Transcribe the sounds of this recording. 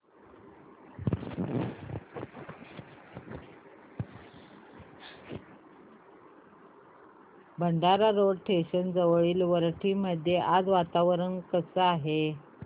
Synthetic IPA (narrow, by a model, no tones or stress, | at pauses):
bʱəɳɖaɾaɾoɽʈʰeɕənd͡zəʋɭiːlʋəɾʈʰiːməd̪ʱjeʔad͡zʋat̪aʋɾənkəsəaɦe